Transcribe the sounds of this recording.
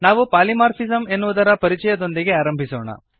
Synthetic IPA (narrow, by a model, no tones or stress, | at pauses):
naːʋupaːlimaːɾpʰizɐme̞nːuʋud̪ɐɾɐpɐɾit͡ʃɛjɐd̪o̞nd̪iɡe̞aːɾɐmbʱisoːɳɐ̰